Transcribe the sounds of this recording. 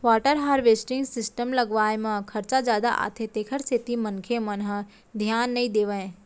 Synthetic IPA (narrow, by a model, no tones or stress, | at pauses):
ʋaːʈəɾɦaːɾʋeːsʈɪ̃ŋɡsɪsʈəmlɐɡʋaːemãkʰɐɾt͡ʃad͡ʒjaːd̪a̰ʔa̰ːt̪ʰet̪eːkʰəɾset̪imɐnkʰemɐnɦ | d̪ʱjaːnːɐĩd̪eːʋə̃ẽ